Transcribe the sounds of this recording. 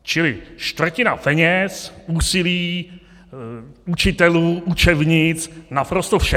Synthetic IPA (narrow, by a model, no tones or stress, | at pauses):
t͡ʃɪlɪʃt̪vr̩cɪnapɛɲɛsuːsɪliː | ut͡ʃɪt̪ɛluːʔut͡ʃɛvɲɪt͡snapɾost̪ofʃɛ